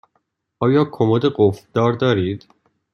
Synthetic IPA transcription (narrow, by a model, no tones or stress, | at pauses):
ʔɒːjɒːkʰomod̪eɡofd̪̥ɒːɾd̪ɒːɾiːd̪̥